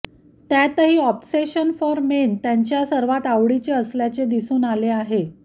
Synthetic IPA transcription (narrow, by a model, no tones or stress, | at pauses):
t̪jat̪əɦiːɔpseɕənfɔɾment̪jaɲt͡ɕjasəɾʋat̪aʋɽit͡seəsljat͡sed̪isuːnaleaɦe